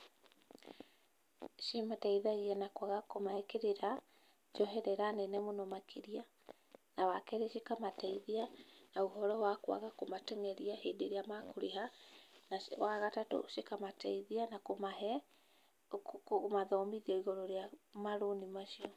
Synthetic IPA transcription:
ʃimatɛiðaiɛnakwaɣakomaɛkeɾeɾa | d͡ʒɔɦɛɾɛɾanɛnɛmonɔmakʰeɾia | nawakɛɾeʃikamatɛiðianaoɦɔɾɔwakwa̰ɣakomatɛŋɛɾiahedeɾeamakoɾeɦanawaɣatato̰ʃikamatɛiðianakomaɦɛ | kmaðɔːmiðiɔiɣɔɾɔɾeamaɾonimaʃiɔ

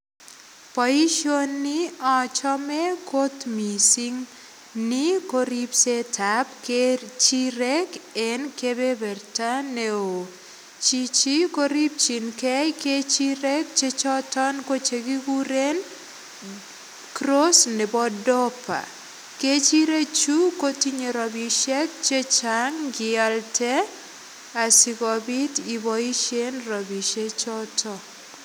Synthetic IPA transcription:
paiʃonːiɔt͡ʃɔmɛkot̪misiŋ | nikoɾipsetapket͡ʃiɾɛkenkebebɛrtaneo | t͡ʃit͡ʃikoɾip̚t͡ʃinkɛket͡ʃiɾɛk̚t͡ʃet͡ʃɔtɔnkot͡ʃeɡiɡuɾen | kɾosnɪbɔdɔpʰa̰ | ket͡ʃiɾet͡ʃukotiɲeɾɔbiʃɛk̚t͡ʃet͡ʃaŋɡɪaltɛ | asɪkɔbitibɔiʃenɾɔbiʃet͡ʃɔtʰɔ

